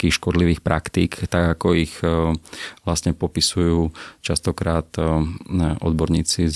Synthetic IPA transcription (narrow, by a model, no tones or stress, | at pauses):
kiːxʃkɔd̪liʋiːxpɾʔakt̪iːkt̪aɡakɔix | ʋlast̪ɲɛpɔpisujuːt͡ʃast̪ɔkɾaːt̪ | ʔɔ̰d̪bɔɾɲiːt͡si